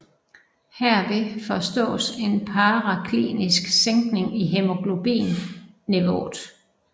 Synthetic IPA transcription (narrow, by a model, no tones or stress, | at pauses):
hæɐ̰ʋe̝fɒ̽sd̥ɔ̰̽ːse̝npʰɑ̈ːʁɑkʰlḭːnisɡ̥seŋɡ̥ne̝ŋiɦe̝mo̝ɡ̥lo̝b̥ḭːnː | eʋo̰ːd̥